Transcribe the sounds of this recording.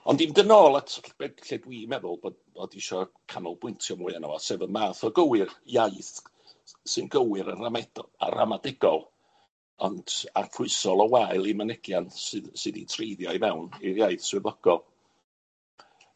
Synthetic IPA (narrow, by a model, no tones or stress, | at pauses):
ɔndimdənoːlˠatʰb̥ed̥ɬedwiːmɛðʊlˠb | b̥oːdiʃɔkʰanɔlˠb̥wɪntʰjɔmʊɨanɔ̰wɔsɛðənmaːθɔɡəwɨrjaɨθ | sɨnɡəwɨɾənramɛda̰ra̰madɛɡ̥ɔlˠ | ɔnd̥a̰rfʊɨsɔlˠɔwaɨlˠimənɪɡ̥jansɨðsɨðitʰrejðjajmɛwnirjaɨθswɪvɔɡ̥ɔlˠ